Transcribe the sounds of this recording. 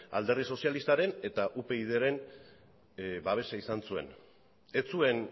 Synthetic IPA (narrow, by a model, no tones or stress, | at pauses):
a̰ld̪e̞rðiso̞sialist̪aɾe̞ne̞t̪aʔupe̞ið̞eɾe̞n | baβ̞e̞saisansue̞̰n | e̞t͡sue̞n